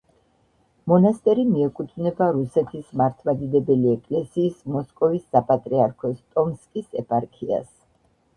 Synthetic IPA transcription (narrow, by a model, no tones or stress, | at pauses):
mɔnast̪ʼɛɾimiɛkʼut̪ʰvnɛbaɾusɛt̪ʰismaɾt̪ʰmad̪id̪ɛbɛliɛkʼlɛsiːsmɔskʼɔvisːapʼat̪ʼɾiaɾkʰɔst̪ʼɔmskʼisɛpʼaɾkʰia̰s